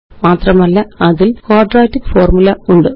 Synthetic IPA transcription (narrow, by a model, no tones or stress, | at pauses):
maːt̪rɐmɐlːɐɐðilkoːrɖraːtːikfoːrmulɐuɳɖɨ